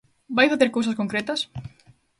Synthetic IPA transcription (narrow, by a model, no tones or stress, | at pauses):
bajfaθeɾkows̬ɐskoŋkɾɛt̪ɐs